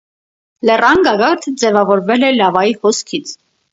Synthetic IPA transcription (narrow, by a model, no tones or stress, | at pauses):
lɛrɑnɡɑɡɑɾt̪ʰəd͡zɛvɑvɔɾvɛlɛlɑvɑjihɔskʰit͡sʰ